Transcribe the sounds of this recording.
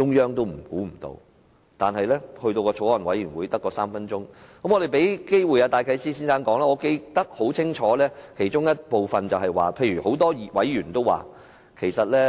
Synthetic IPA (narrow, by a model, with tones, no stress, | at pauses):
t͡ʃʊ˥ŋjœː˥ŋt̪o˥wm̩˨˩kuː˨˥m̩˨˩t̪o̰˧w | t̪aː˨nhɐ˨jlɛː˥hɵ˧ɥt̪o˧wkɔː˧o˨˥wɔː˨˩nwɐ˨˥jyː˨˩nwuː˨˧jt̪ɐ˥kːɔː˧saː˥mfɐ˥nt͡sʊ˥ŋkɐ˨˥mɔː˨˧ɾe˨jpe˨˥jke˥jwu˨jaː˧t̪aː˨˧jkʰɐ˧˥jsiː˥siː˥nsaː˥nkɔː˨˥ŋlaː˥ŋɔː˨˧˥ke˧jt̪ɐ˥k̚ho˨˥wt͡sʰɪ˥ŋt͡ʃʰɔː˨˥lɛː˥kʰe˨˩jt͡ʃʊ˥ŋjɐ˥t̚po˨wfɐ˨nt͡sɐ˨wɦɐ˨jwa̰ː˨pʰe˧jɥy˨˩ho˨˥wt̪ɔː˥˨wɐ˨˥jjyː˨˩nt̪o˥wa̰ː˨˩ | kʰe˨˩jsɐ˨t̚lɛː˥